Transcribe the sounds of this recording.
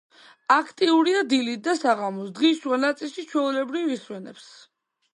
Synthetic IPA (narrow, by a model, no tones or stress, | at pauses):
akʰt̪ʼiuɾiad̪ilit̪̚ʰd̪asaʁamɔsd̪ʁiʃuanat̪sʼilˠʃit͡ʃʰwɛulɛbɾiviswɛnɛ̰ps